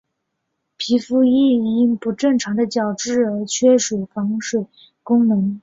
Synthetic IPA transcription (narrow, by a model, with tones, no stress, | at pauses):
pʰi˧˥fu˥i˥˩˧i˥˩ŋpu˧˥ʈ͡ʂɤ˥˩ŋʈ͡ʂʰɑ˧˥ŋd̪ə˧t͡ɕjɑ˨˩ʊʈ͡ʂɻ̩˥˩ə˞˧˥t͡ɕʰɥɛ˥ʂwe˨˩ɪfɑ˧˥ŋʂwe˨˩ɪ | kʊ˥ŋnɤ˧˥ŋ